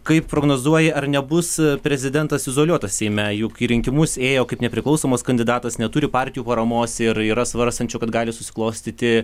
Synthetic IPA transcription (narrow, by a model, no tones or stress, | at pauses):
kɐɪppɾoːɡnoːzuɔjɛɐrnʲɛbʊspʲɾʲɛzʲɪd̪ʲɛnt̪ɐsɪzoːlʲuɔt̪ɐsʲsʲɛɪmʲɛjʊkiːɾʲɪŋʲkʲɪmʊseːjoːkɐɪpnʲɛpʲɾʲɪklˠɐʊsoːmoːskɐnʲd̪ʲɪd̪ɑːt̪ɐsnʲɛt̪ʊɾʲɪpɑːɾʲt̪ʲɪjuːpɐɾɐmoːsɪɾiːɾɐsʋɐɾst̪ɐnʲt͡ʃʲʊkɐt̪ɡɑːlʲɪsʊsʲɪ̥klˠɐʊsʲt̪ʲiːt̪ʲɪ